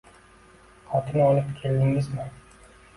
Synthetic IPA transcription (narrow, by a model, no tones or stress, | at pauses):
χɒt̪ʰɪnɒlɪpkʲʰe̞ld̪ɪŋɪzmɪ